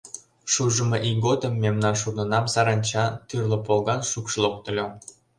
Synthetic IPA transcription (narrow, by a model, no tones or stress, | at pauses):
ʃuʒəmeʔiɡod̪əmːemnɑnʃurnənɑmsɑɾɑnʲt͡ɕɑt̪yrlŏpolɣɑnʃukʃlok̚t̪ə̆lʲom